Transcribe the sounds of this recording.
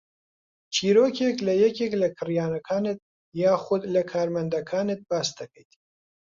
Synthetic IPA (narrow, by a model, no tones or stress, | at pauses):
t͡ʃʰiːɾoːkʰeklɐjɛkʰeklɐkʰɨrjaːnɐkʰaːnɨt̪̚ | jaːxʊd̪lɐkʰaːɾmɐnd̪ɐkʰaːnɨt̪̚baːsd̪ɐkʰɐjt̪